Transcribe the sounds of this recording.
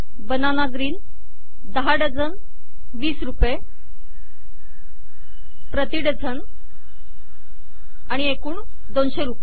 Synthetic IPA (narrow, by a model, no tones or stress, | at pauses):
bənanaɡɾiːn | d̪əɦaɽəd͡zʱən | ʋiːsɾupe | pɾət̪iɖəd͡zʱən | aɽ̃iekuːɳ | d̪onɕeɾupe